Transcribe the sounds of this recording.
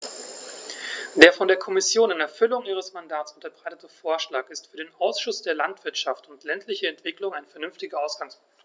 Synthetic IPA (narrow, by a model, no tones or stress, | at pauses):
d̥eːɐfɔndeːɐkʰɔmɪsjoːnɪnɛɐfʏlʊŋʔiːʁ̞əsmandaːtsʊntɐbʁaɪtətəfoːɐʃlaːkɪstfyːɐdeːnʔaʊsʃʊsd̥eːɐlantv̥ɪɐtʃaftʊntlɛntʰlɪçəɛntv̥ɪklʊŋaɪnfɛɐnʏnftɪɡəaʊsɡ̥aŋspʰʊŋkt